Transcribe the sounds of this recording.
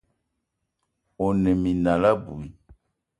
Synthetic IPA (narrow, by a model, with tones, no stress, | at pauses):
o˨nɛ̃˨mĩ˨nã˨la˦bu˨i˨